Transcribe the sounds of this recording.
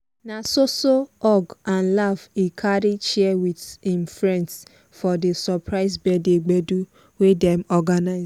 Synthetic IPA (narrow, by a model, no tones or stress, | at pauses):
nasosoɔɡãnlavikʰaɾit͡ʃɛwidĩmfɾɛ̃nts | fɔdesɔpʰɹaɪzbɛdeɡ͡bedu | wedɛ̃mɔɡanaɪz